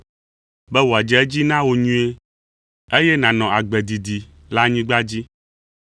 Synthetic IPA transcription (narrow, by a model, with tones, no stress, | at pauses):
bɛ˦wo˨a˨d͡ʒɛ˦ɛ˦d͡ʑi˦nã˦wo˨ɲũ˦e˦ | e˦jɛ˦nã˨nɔ̃˨a˨ɡ͡bɛ˨d̪i˨d̪i˨ | la˦ɲĩ˦ɡ͡ba˦d͡ʑi˦